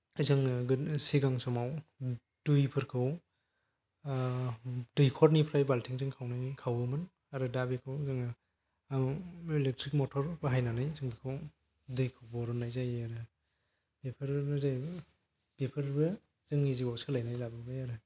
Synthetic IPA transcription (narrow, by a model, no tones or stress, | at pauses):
ajzɯŋɡɯsiɡaŋsɔmaw | d̥ujpʰɯɾkʰɯw | dɯjkʰɔɾnipʰɾajbaltʰiŋzɯŋkʰawnajkʰawɯmɯn | aɾɯdabikʰɯwzɯŋ | ilek̚tʰɾik̚mɔtʰɔɾbɯɦajnanajzɯŋbɯkʰɯw | dɯjkʰɯwbɔɾɔnajzajaɾɯ | bepʰɯɾɯzaj | b̥epʰɯɾbɯ | zɯŋiziɡawsʰɯlajnajlabɯbajaɾɯ